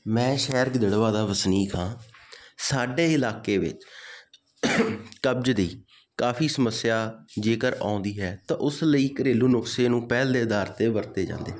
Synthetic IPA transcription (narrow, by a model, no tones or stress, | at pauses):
mɛ̃ːʃɛːɾɡd̪əɽʋaːd̪aːbəsniːkʰãːsaːɖeːɪlaːkeːʋɪ̰t͡ʃ | kəb̚d͡ʒd̪iː | kaːfiːsəməsːɪjaːd͡ʒeːkəɾa̰ːʊnd̪iːɦɛːt̪ãːʔʊsləiːkəɾeːluːnʊkseːnũːpɛːld̪eːəd̪aːɾt̪eːbəɾt̪eːd͡ʒã̰ːnd̪ḛː